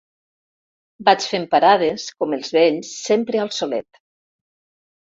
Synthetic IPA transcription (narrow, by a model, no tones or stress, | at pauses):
bat͡ʃfempaɾað̞eskomelˠzβeʎsːempɾealˠsolɛ̰t̪